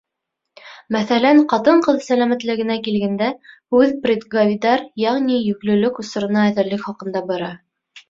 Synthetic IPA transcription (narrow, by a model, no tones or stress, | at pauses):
mæθælæɴqɑt̪ɤɴqɤðsælæmæt̪lɘ̆ɡɘ̆nækilɡænd̪æ | ʉðprʲid̪ɡavʲid̪ɑɾjæʁnijɵ̆klɵ̆lɵkŭsɤ̆ɾɤ̆nɑæðɘ̆ɾlɘkχɑqɤ̆nd̪ɑbɤ̆ɾɑ